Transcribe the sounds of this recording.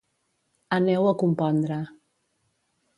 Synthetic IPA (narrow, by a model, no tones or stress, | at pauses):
anɛwakumpɔnd̪ɾa